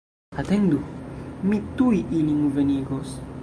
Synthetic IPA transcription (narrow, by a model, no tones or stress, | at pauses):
at̪end̪umit̪uiʔiniŋuveniɡos